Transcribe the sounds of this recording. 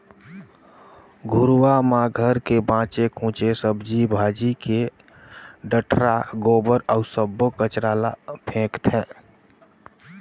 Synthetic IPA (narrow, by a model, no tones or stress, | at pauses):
ɡʱʊɾwamãɡʱəɾkebãːt͡ʃekʰũt͡ʃesəbd͡ʒibʱaːd͡ʒike | ɖəʈʰɾaɡoːbəɾɔsəbːokət͡ʃɾaːlapʰẽːkt̪ɦɛ̃ː